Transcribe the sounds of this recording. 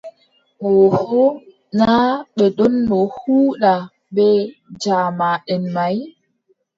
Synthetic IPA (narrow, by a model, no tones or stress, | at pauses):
ʔɔhɔ | naɓɛɗɔnːɔhuːɗa | ɓɛd͡ʒaːmaɗɛnmaj